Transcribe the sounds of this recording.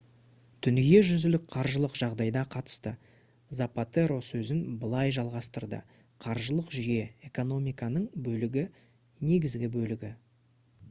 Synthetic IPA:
t̪ʰʏnɡʲe̞ʒʏzɪlɪk̚qʰɑɾʒəlˠəqʒ̥ɑʁd̪ɑjd̪ɑqʰɑt̪ə̥st̪ə | zapat̪e̞ɾo̞sɵzɪnbəlˠɑjʒɑlˠʁɑst̪əɾd̪ə̰ | qʰɑɾʒəlˠəqʒʏje̞e̞ko̞no̞mijkɑnəɴbɵlɪɡʲɪ | ne̞ɡʲɪzɡʲɪbɵlɪɡʲɪ

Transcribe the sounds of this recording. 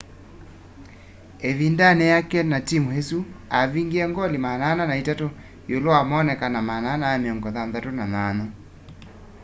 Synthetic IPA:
evindanɛjakɛnatimuhesuaviŋɡiɛŋɡɔlimanananaitato | joloamɔːnɛkanamananajamiɔŋɡɔðanðatonanana

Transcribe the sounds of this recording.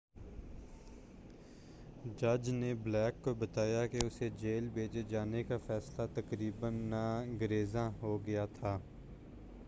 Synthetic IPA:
d͡ʒəd͡ʒneblɛːkːobət̪aːjakeʊsed͡ʒeːlbʱeːt͡ʃed͡ʒaːnekafɛːslat̪əkɾiːbənːaɡəɾeːzãːɦoɡɐjat̪ʰaː

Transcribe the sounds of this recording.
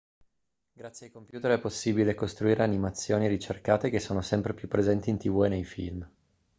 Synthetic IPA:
ɡɾat̪sːeajkompjuːt̪eɾɛpːosːibilekost̪ɾuiːɾʔeanimat̪sːjoːniɾit͡ʃerkaːt̪ek̟esːoːnosɛmpɾepjupːɾezɛnt̪iːnt̪ivuenejfḭlm

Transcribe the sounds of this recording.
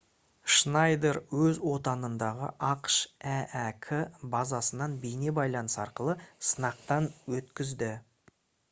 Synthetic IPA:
ʃnɑjd̪eɾwɵzwo̞t̪ɑnənd̪ɑʁə̰ʔɑqʃæʔækʲʰɪbɑzɑsənɑnbejnebɑjlˠɑnəsɑɾqəlˠəsənɑqt̪ɑnwɵt̪kʲɪzd̪ɪ

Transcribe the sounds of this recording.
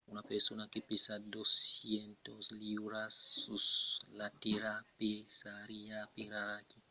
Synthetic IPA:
unapesunakipisadosientosliɾasuslatiɾapesaɾijapiɾaɾaki

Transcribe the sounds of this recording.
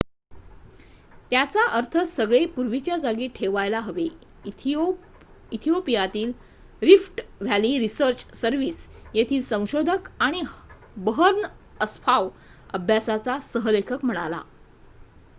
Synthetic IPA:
t̪jat͡saʔəɾt̪ʰəsəɡɭepuɾʋit͡ɕjad͡zaɡiːʈʰeʋajlaɦəʋe | it̪ʰijopijat̪iːl | ɾifʈʋ̤ʱjaliːɾisəɾt͡ɕsəɾʋiːsjet̪ʰiːlsə̃w̃ɕod̪ʱəkaɽ̃i | bəɦəɾnəəspʰaʋ | əbʱjasat͡sasəɦəlekʰəkm̤əɽ̃ala̰

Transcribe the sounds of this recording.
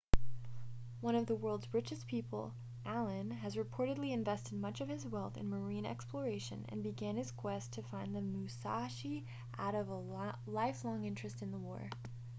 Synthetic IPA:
wʌ̃ñʌvðəwɜ˞lˠdzɹɪt͡ʃɨspʰipl̩ˠ | ʔælˠɨ̃nɨzɹɨpʰɔɹɾɨdˡliɨ̃ɱvɛstɨd̚mʌt͡ʃʌv̥ɨzwɛlˠθɨ̰̃nmə˞ĩnɛ̰kspʰlə˞eɪʃɨ̰̃nɨ̰̃nbɨɡæ̃nɨz̥kʰw̥ɛstʰɨfãɪ̃nðɨmʉsɑʃi | ʔaʊɾʌvə | laɪflɔ̃ŋɪ̃nt͡ʃɹ̥ɨstɨ̃nðəwɔ̰ɹ

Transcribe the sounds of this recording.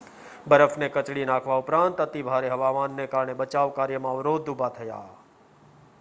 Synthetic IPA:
bəɾəfʰnekɐt͡ʃɽinaːkʰʋaʊpɾãːnt̪ət̪ibʱaːɾeɦɐʋaːmaːnːekaːɾɳ̃ebɐt͡ʃaːʋkaːɾjəmãʋɾoːd̪ːubat̪ʰɐja̰ː

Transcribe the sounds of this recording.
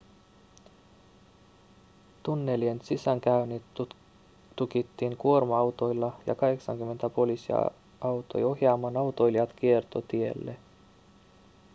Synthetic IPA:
t̪unːe̞lie̞nt̪sisæŋk̟æynit̪ː | ukit̪ːiːŋkuo̞rmɑɑwt̪o̞jlːɑjɑ̰kɑɦe̞ksɑŋkymːe̞nt̪æpo̞lisḭɑ̰ | ɑwt̪o̞̰jo̞hjɑːmːɑnɑwt̪o̞jliɑt̪kie̞rt̪o̞t̪ie̞lːe

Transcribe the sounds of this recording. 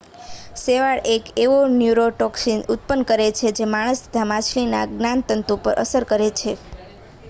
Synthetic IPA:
seʋaɭekeʋonjuɾoʈɔksinut̪̚pənkəɾet͡ʃʰed͡ʒemaɽ̃əst̪ə̥t̪ʰamat͡ʃʰlina̰ɡnant̪ənt̪upə̰ɾʔə̰səɾkəɾet͡ʃʰe

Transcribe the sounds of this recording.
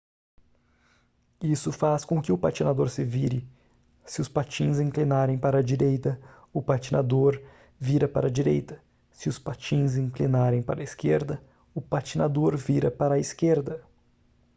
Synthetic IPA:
isʊfaskõkɪʊpat͡ʃinad̪oɾsɪviɾɪ | sɪʊspat͡ʃĩzĩŋklinaɾẽj̃paɾɐd͡ʒiɾejt̪ɐ | ʊpat͡ʃinad̪oɾ | viɾɐpa̰ɾɐd͡ʒiɾejt̪ɐ | sɪʊspat͡ʃĩzĩŋklinaɾẽj̃pa̰ɾɐiskeɾd̪ɐ | ʊpat͡ʃinad̪oɾviɾɐpaɾɐiskeɾd̪ɐ

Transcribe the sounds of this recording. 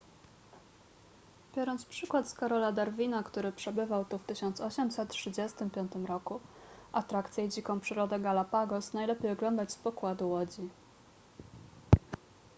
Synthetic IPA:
b̥ʲjɔɾɔnt̪spʂɘkwat̪skaɾɔlad̪aɾvʲinakt̪uɾɘpʂɛbɘvawt̪uft̪ɘɕɔnt̪sɔɕɛmsɛt̪̚tʂɘd͡ʑɛst̪ɘmpʲjɔnt̪ɘmɾɔkuat̪ɾakt̪sʲjɛd͡ʑikɔ̃w̃pʂɘɾɔd̪ɛɡalapaɡɔsnajlɛpʲejɔɡlɔnd̪at͡ɕspɔkwad̪uwɔd͡ʑi

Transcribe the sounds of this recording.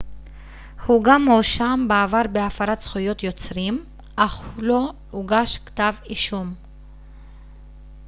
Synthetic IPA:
huɡamhoʃambaavaʁbeafaɾat̪t͡sχujo̞t̪jo̞t͡sʁim | aχhulo | uɡaʃkt̪aviʃum

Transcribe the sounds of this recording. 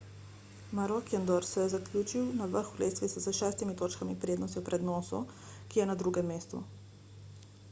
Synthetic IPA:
maɾɔkɛnd̪ɔɾsɛjɛzakljuːt͡ʃiwnaʋəɾxuleːsʋisɛsəʃɛːst̪imit̪oːt͡ʃkamipɾeːd̪nɔst̪iwpɾɛd̪nɔːsu | kijɛnad̪ɾuːɡɛmːeːst̪ṵ

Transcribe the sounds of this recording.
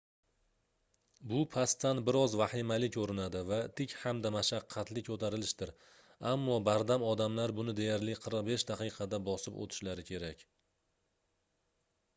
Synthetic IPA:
bʊpʰast̪ːanbɪɾɒzvahɪmalɪkʲʰɵɾɪnad̪ɪvat̪ʰɪkʲhamd̪amaʃaqʰːɑt̪lɪkʰɵt̪ʰaɾɪlɪʃt̪ɪɾ | amːɒbaɾd̪amɒd̪amlaɾbʊnɪd̪e̞jaɾlɪqʰəɾqbe̞ʃd̪aqʰɨjqʰɑd̪abɒsɪpo̰t̪ʰɪ̥ʃlaɾɪkʲʰe̞ɾakʲ

